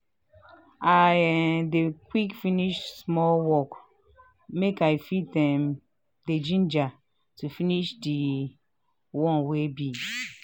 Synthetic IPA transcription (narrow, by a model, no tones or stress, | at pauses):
aɛdekwikfiniʃsmɔwɔk | mekajfitɛ̃m | ded͡ʒĩnd͡ʒa | tufiniʃdi | wɔ̃nwebi